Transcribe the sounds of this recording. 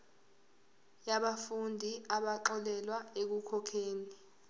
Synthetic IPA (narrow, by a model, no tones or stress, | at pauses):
jaɓafundʱiaɓaǁɔlɛlwaek̬ukʰɔkʰeːni